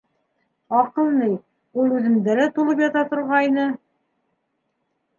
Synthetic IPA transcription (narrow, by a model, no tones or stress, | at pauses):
ɑqɤ̆lˠnɤj | ulˠʉðɘ̆md̪ælæt̪ulˠɤpjɑt̪ɑt̪ŏɾʁɑjnɤ